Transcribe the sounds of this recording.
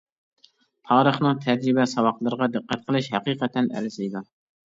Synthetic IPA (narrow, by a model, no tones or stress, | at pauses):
t̪ʰɑːɾəχnɨŋt̪ʰɛd͡ʒɾɪbɛsɑwɑqlˠɨɾəʁɑd̪ɨqːɛt̪̚qʰəlˠɨʃhɛqiːqɛt̪ʰɛnæ̰ɾzijd̪u